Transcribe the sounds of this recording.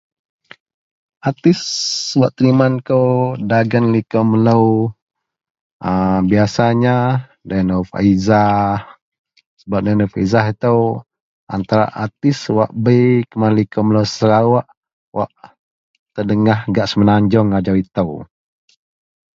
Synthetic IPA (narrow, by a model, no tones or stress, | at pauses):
at̪ɪswaʔt̪əɾimankəwdaɡənlikəmələw | əbiasaɲa | danofa̰izah | səbap̚danɔfaizaɦit̪əw | ʔa̰nt̪aɾa̰ʔa̰t̪ɪswaʔbəkəmanlikəmələwsəɾawaʔ | wʔa̰ʔ | t̪ərdəŋahɡaʔsəmənaɲd͡ʒɔŋad͡ʒawit̪əw